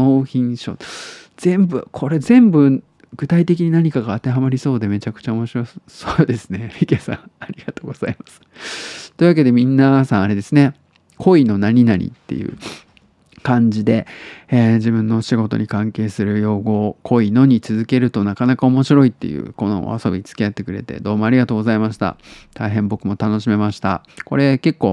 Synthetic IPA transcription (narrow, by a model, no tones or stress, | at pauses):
oːçĩɰ̃ɕo̞̰z̥ẽ̞mbɯ̟kʰo̞ɾe̞zẽ̞mbɯ̟ | ɡ̥ɯ̟t̪ait̪e̞kʲiɲ̟inaɲ̟ikaɡaːt̪e̞ɦamaɾʲiso̞ːd̪eme̞t͡ɕakɯ̥t͡ɕaomo̞ɕiɾo̞soːd̪e̞sɨ̥ne̞ɸʲikesã̰ɰ̃aɾʲiɡat̪o̞ːɡo̞z̥a̰imasɨ̥t̪o̞i̟βake̞d̪e̞mʲĩnːasãɰ̃aɾe̞d̪e̞sɨne̞ | kʰo̞ino̞naɲ̟inaɾʲḭt̪ːe̞̰jɯ̟̰ | kãɲd͡ʑid̪e̞ed͡ʑibɯ̟̃nːo̞ɕiɡo̞t̪o̞̰ɲ̟ikãŋke̞ːsɨɾɯ̟jo̞ːɡo̞kʰo̞ino̞ɲ̟it͡sɨzɨke̞ɾɯ̟t̪o̞nakanakao̞mo̞ɕiɾo̞it̪ːe̞̰jɯ̟̰ːko̞no̰a̰so̞bʲit͡sɨ̥kʲijat̪ːe̞kɯ̟ɾe̞̰t̪e̞̰d̪o̞ːmo̞aɾʲiɡat̪oːɡo̞zaimaɕi̥t̪a̰t̪aiɦẽmbo̞kɯ̟mo̞t̪ano̞ɕime̞maɕi̥t̪a̰ | ko̞ɾe̞ke̞kːo̞ː